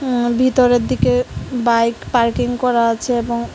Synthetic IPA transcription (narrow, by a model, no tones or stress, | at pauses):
bʱit̪ɔɾed̪ikebajkpaɾkiŋɡkɔɾat͡ʃʰɛebɔŋ